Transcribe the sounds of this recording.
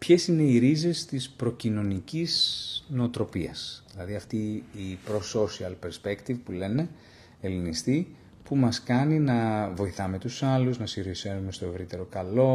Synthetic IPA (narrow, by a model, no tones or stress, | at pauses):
pçe̞sine̞iɾize̞st̪ispɾo̞cino̞niciznot̪ɾo̞piɐ̰sðilɐðiɐft̪iːpɾo̞so̞siɐlpeɾspe̞kt̪ivpule̞ne̞ | elinist̪i | pumɐskɐninɐvo̞iθɐme̞t̪usɐluznɐsiɾisenume̞st̪o̞e̞vɾit̪e̞ɾo̞kɐlo̞